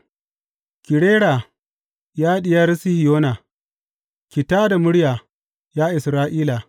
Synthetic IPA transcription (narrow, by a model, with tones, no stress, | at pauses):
kʲɪ˨ɽeː˦ɽa˨ | jaː˦ɗɪ˨jɐ˦ɾsi˦hi˨joː˦na˨ | kʲɪ˨taː˦da˨mʊ˦ɽja˨ | jaː˦ʔɪ˨sɾaː˦ʔiː˦la˨